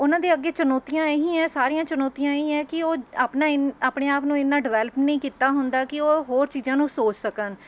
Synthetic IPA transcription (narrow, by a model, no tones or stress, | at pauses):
ʊnãːd̪eːəɡːeːt͡ʃənɔːt̪ijãːeɦĩːɛ̃ːsaːɾiːãːt͡ʃənɔːt̪ijãːeĩːɛ̃ːkɪoːaːpnaːɪnaːpɳeːaːpnũːɪnːãːɖɪʋɛːləpnəĩːkiːt̪aːɦʊnd̪aːkɪoːɦoːɾt͡ʃiːzãːnũːsoːt͡ʃsəkən